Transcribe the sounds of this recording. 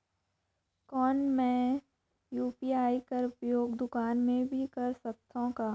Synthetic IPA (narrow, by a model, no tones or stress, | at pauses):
kɔːnmɛ̃ː | juːpiaːikɐɾʊpjoːɡd̪ʊkaːnmẽbʱikɐɾsɐk̚t̪ʰõkaː